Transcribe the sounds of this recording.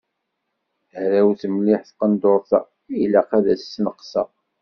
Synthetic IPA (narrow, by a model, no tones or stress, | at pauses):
hɾæwθəmlɪħθqənd̪oɾˤθɑ̰ | ilæqæðæsːnəqsɑ